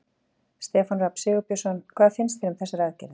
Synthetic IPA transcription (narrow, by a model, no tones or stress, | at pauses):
st̪ɛːfanrapsɪːɣʏpjɔsɔnkʰvaːðfɪnst̪fɪɾʏmθɛsːaɾaðcɛɾðɪ